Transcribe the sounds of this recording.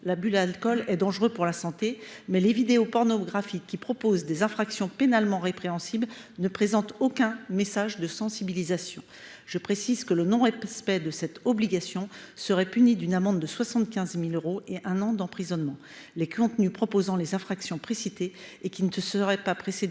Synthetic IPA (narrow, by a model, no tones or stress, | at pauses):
labylalkɔlɛd̪ɑ̃ʒʁøpuʁlasɑ̃t̪emɛlevid̪eopɔʁnɔɡʁafikʲːipχɔpozd̪ezɛ̃fχaksjɔ̃penalmɑ̃ʁepχeɑ̃siblnəpχezɑ̃t̪okʲɛ̃mesaʒd̪əsɑ̃sibilizasjɔ̰̃ | ʒ̥əpχesizkələnɔ̃ʁɛspɛd̪əsɛt̪ɔbliɡasjɔ̃səʁɛpynid̪ynamɑ̃d̪ːəswasɑ̃t̪kʲɛ̃zmiløʁoeʔɛ̃nɑ̃d̪ɑ̃pχizɔnmɑ̃ | lekʰɔ̃t̪nypχɔpozɑ̃lezɛ̃fχaksjɔ̃pχesit̪eːkʲinət̪əsəʁɛpapχesed̪